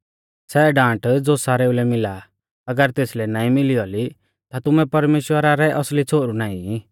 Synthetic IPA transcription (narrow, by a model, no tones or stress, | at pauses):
sɛɖãːʈd͡zosaːɾeulɛmɪla | ɐɡəɾt̪eːslɛnãːĩmɪliɔli | t̪at̪ʊmɛpɐɾmeːʃwəɾaɾɛʔɐslit͡sʰoːɾunãːĩ